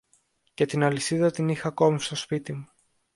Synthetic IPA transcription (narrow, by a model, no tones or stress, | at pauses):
ce̞t̪inɐlisiðɐt̪inixɐko̞mist̪o̞spit̪imu